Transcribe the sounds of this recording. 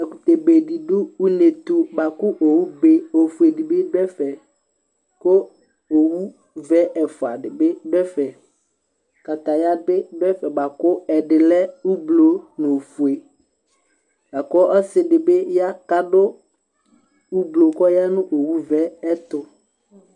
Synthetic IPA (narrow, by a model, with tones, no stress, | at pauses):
ɛ˨ku˨t̪e˨be˨di˨dʊ˦u˦ne˨t̪ʊ˦ba˨kʊ˦ʔo˨wu˦be˦o˨fu˨e˨di˨bɪ˦dɛ˦fɛ˨ | ko˦ | o˨wu˦ | vɛ˦ʔɛ˨fʊ˨a̰˨dɪ˨bɪ˦ɖɛ˦fɛ˨ | ka˨t̪a˨ja˦bɪ˦ɖɛ˦fɛ˨ba˨kʊ˦ɛ˨dɪ˨lɛ˦u˦blo˨nʊ̃˨fu˨e˨ | ba˨kʊ˦ɔ˦sɪ˨dɪ˨bɪ˦ja˦ka˦dʊ˦ | u˦blo˨kɔ˦ja˦nʊ̃˦ʔo˨wu˦vɛ˦ɛ˦t̪ʊ˦